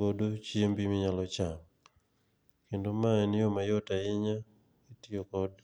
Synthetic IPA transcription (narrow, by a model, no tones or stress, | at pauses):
odot͡ʃiembimɪɲalɔt͡ʃam | kendomaɛnɪjomajɔtaɪɲa | etiokɔd